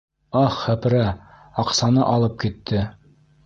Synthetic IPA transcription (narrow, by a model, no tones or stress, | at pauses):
ɑχːæpɾæ | ɑqsɑnɤʔɑlˠɤp̚kit̪ːɘ